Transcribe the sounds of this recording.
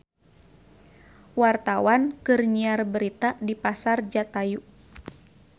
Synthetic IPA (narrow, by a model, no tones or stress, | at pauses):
wart̪awankɨrɲiarbəɾit̪adipasard͡ʒat̪aju